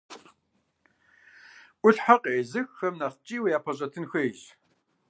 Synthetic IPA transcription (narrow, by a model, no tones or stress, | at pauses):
ʔʷʊɬħaqʼeːzɨxxɐmnaːχt͡ʃʼiːwjaːpʰɐɕʼɐtʰɨnxʷejɕ